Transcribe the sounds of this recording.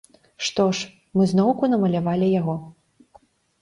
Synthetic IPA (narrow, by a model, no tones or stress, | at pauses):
ʂt̪ɔʂ | mɨznɔwkunɐmɐlʲavalʲijaɣɔ